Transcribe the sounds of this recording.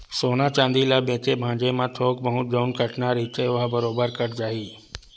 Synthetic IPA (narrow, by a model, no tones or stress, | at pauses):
soːnat͡ʃãːnd̪ilabẽːt̪ebʱãːɲd͡ʒemãt̪ʰoːkbɐɦũd͡ʒəːnkəʈnaɾiːt̪eʋabɐɾoːbəɾkɐʈd͡ʒaːɦiː